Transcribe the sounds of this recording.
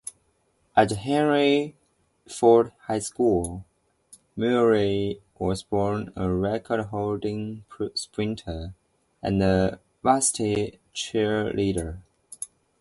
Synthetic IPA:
ʔəthɛ̃nɹi | fɔɹdhaɪskulˠ | mʉɹi | wɔzbɔɹnəɹɛkʰəd̚ɦoʊldɪ̃ŋpʰspʰɹɪ̃ntʰə˞ | ə̰̃nðə | vastʰit͡ʃʰɛliɾə˞

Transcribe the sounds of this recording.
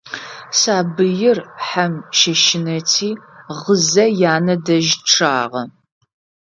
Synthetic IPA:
saːbɨjɪrħamʃɐʃɪnɐtʰiːʁəzɐjaːnɐdɐʒʈ͡ʂʰaːʁɐ

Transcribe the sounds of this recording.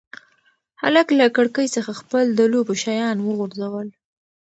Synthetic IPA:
ha̰laklakəɽkəjsəxaxpəld̪əlobʃajɑnwəɣuɾzawəl

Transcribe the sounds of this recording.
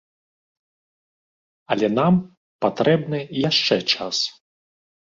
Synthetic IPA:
ɐlʲɛnam | pat̪ɾɛbnɨjaʂt͡ʂɛt͡ʂas

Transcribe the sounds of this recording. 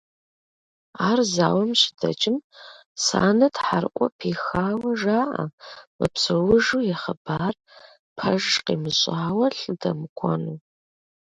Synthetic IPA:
aːrza̰ːwɐmɕɪ̥dʰɐ̰t͡ʃʼɪm | sa̰ːnɐtʰħarʔʷʼɔpʰiːxaːwɐʒaːʔa̰mɨpsɐwʊʒuːjɛχɐb̥aːr | pʰɐʒqḛmɨɕʼaːwɐɬɨdɐmɨkʷʰɔnuː

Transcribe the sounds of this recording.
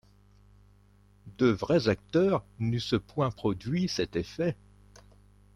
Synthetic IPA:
d̪əvʁɛzak̚t̪œʁnysəpwɛ̃pχɔd̪ɥisɛt̪efɛ

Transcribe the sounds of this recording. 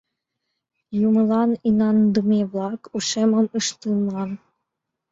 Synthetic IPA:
jumɤ̆lˠɑninɑnd̪ɤmʲeβlˠɑkuʂemɤ̆mɯʂt̪ɯnlɑn

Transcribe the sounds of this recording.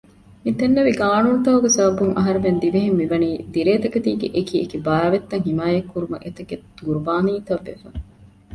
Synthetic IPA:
mit̪enːɐʋiɡaːnuːnt̪ɐɦuɡesɐbɐbuŋʔɐ̰ɦɐɾemend̪iʋeɦemːiʋɐniːd̪iɾeːt̪ɐkɐt̪iːɡḛʔekiːekibɐaːʋet̪ːɐŋɦimaːjɐkːuɾumɐ̰ʔet̪ɐɡed̪d̪uɾubaːniːt̪ɐʋːḛfɐ

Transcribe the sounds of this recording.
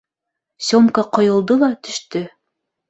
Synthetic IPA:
sʲomkɑqɤ̆jɤ̆lˠd̪ɤlˠɑt̪ɵ̆ʃt̪ɵ

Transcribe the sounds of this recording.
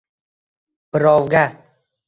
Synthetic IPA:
b̥ɪɾɒwɡʲa

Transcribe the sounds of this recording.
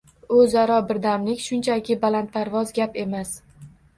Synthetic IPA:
ɵzaɾɒbɪɾd̪amlɪkʲʃʊnt͡ʃʰakʲʰɪbalant̪̚pʰaɾvɒzɡʲape̞mas

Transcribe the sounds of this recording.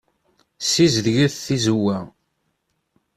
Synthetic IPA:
sizðʝiθθizuwːæ

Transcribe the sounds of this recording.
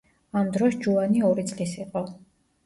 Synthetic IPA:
amd̪ɾɔsd͡ʒuaniɔɾit̪sʼlisiqʼɔ

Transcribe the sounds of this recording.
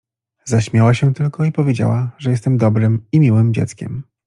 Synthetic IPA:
zaɕmʲjawaɕɛt̪ɘlkɔipɔvʲed͡ʑa̰waʐɛjɛst̪ɛmd̪ɔbɾɘmimʲiwɘmd͡ʑɛ̰t̪skʲɛ̰m

